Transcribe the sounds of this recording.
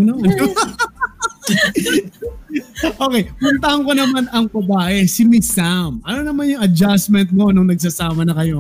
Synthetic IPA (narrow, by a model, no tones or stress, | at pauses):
noɐno | ʔo̞ːkɛjpʊnt̪ɐhɐŋko̞nɐmanɐŋbɐbaːʔɛsɪmɪsamʔɐno̞nɐmanjʊŋɐd͡ʒasmɛnt̪̚mo̞nʊŋnɐɡ̚s̬ɐsaːmɐnɐkɐjo̞